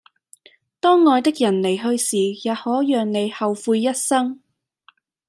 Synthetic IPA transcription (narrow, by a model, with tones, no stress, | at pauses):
t̪ɔː˥ŋːɔː˧jt̪ɪ˥k̚jɐ˨˩nle˨˩jɦɵ˧ɥsiː˨˩jaː˨t̚hɔː˨˥jœː˨ŋne˨˧jhɐ˨wfuː˧jːɐ˥t̚sɐ˥ŋ